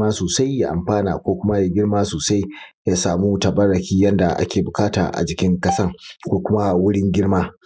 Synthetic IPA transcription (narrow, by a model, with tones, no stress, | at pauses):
aː˦soː˨sa˦jːa˦ʔa̰˨mɸaː˦na̰ː˨kʷoː˦kʷʊ˦ma˦ja˨ɡʲɪ˦ɽmaː˦soː˨sa˦j | ja˦saː˨muː˦tɐ˨bɐ˦rːɐ˨kʲiː˦jɐ˦nda˨ʔa̰˦kʲeː˨bʊ˨kaː˦ta̰ː˨ʔa̰˨d͡ʒɪ˨˦kʲɪ˦ŋkɐ˦sɐ˦ŋkʷoː˦kʷʊ˦ma˦wʊ˦ɽɪ˦ŋɡʲɪ˦ɽmaː˦